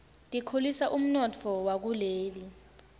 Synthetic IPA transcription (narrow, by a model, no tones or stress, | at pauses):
tʼikʰolisaʔum̩nɔtʰɔwak̬uleːli